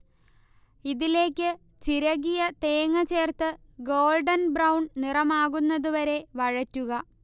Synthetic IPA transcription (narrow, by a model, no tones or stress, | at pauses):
iðile̞ːkʲːɨ | t͡ɕiɾɐɣijɐt̪e̞ːŋːɐt͡ɕe̞ːrt̪ɨ | ɡo̞ːlɖɐnbrɐwɳɖnirɐmaːɣunːɐðuʋɐɾe̞ʋɐɻɐtːuɣɐ